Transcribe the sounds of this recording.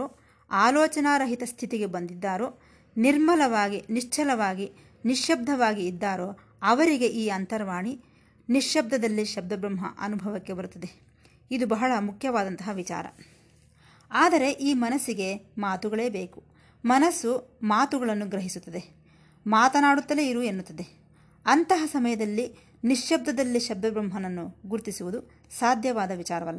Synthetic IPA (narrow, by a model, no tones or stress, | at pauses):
oː | aːlɔːt͡ʃɐnaːɾɐɦit̪ɐst̪ʰit̪iɡe̞bɐnd̪id̪ːaːɾoː | niɾmɐlɐʋaːɡiniʂt͡ʃʰɐlɐʋaːɡi | niʂjɐb̚d̪ʱɐʋaːɡiːd̪ːaːɾoː | ɐʋɐɾiɡe̞ʔiːɐnt̪ɐɾʋaːɳi | niʂjɐb̚d̪ʱɐd̪ɐlːiʃɐb̚d̪ʱɐbɾɐmɦɐ̰ʔɐ̰nubʱɐʋɐkːe̞bɐɾut̪ːɐd̪e̞ | id̪ubɐɦɐɭɐmukʰjɐʋaːd̪ɐnt̪ɐɦɐʋit͡ʃa̰ːɾɐ̰ | aːd̪ɐɾe̞ʔiːmɐnɐsiɡe̞maːt̪uɡɐɭe̞ːbe̞ːku | mɐnɐsumaːt̪uɡɐɭɐnːuɡɾɐɦisut̪ːɐd̪e̞ | maːt̪ɐnaːɽut̪ːɐleiɾuːenːut̪ːɐd̪e̞ | ɐnt̪ɐɦɐsɐmɐjɐd̪ɐlːi | niʂjɐb̚d̪ʱɐd̪ɐlːiʃɐb̚d̪ɐbɾɐmɦɐnɐnːuɡuɾt̪isiʋud̪u | saːd̪ʱjɐʋaːd̪ɐʋit͡ʃaːɾɐʋɐlːɐ